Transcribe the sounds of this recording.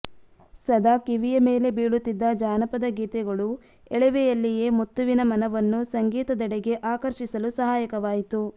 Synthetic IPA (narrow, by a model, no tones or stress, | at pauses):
sɐd̪aːkiʋijɐme̞ːle̞biːɭut̪ːid̪ːɐd͡ʒaːnɐpɐd̪ɐɡiːt̪ɛɡɐɭu | ɛɭɛʋɛjɐlːijeːmut̪ːuʋinɐmɐnɐʋɐnːusɐŋɡiːt̪ɐd̪ɐɽeɡeʔaːkɐɾʃisɐlusɐɦaːjɐkɐʋaːjit̪u